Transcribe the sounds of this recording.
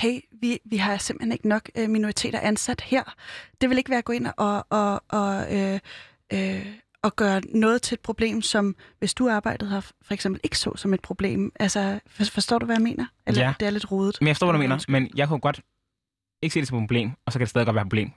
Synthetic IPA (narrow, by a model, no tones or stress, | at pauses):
heɪ̰ʋiʋiɦɑ̈jse̝mb̥̩hene̝ɡ̥ənɒ̽ɡ̥ømino̝ʁit͡sʰe̝̰ːɾ̥ɐʔænsæd̥heɐ̰d̥e̝ʋe̝le̝ɡ̥ʋæːɐɡɔ̽ːe̝n̰ʔɒʔɒʔɒø | ø | ɒɡ̥ɶːɐnɔ̽ːð̞̩ˠt͡sʰe̝ed̥pʰʁo̝b̥le̝̰ːmsɒ̽mʋe̝sd̥uɑ̈ːb̥ɑ̈ɪ̰d̥ð̩ˠhɑ̈fɒeɡ̥semb̥l̩e̝ɡ̥ə̥sɔ̰̽sɒ̽me̝d̥̚pʰʁo̝b̥le̝̰ːmʔælsəfɒsd̥ɔ̰ːd̥uʋæjame̝̰ːnʔɐelɐd̥eæɐle̝d̥ʁoːðˠd̩ˠmemnjafstɔ̰ʋdume̝̰ːnɐmenjɑ̈ɪkʰuɡ̥ɒ̽d̥ | eɡəse̝̰ːdesɒ̽mpʰoble̝̰ːmɒ̽sɒ̽kʰædestɛðˠɡɒ̥̽ʋæɐpʰo̥blḛːm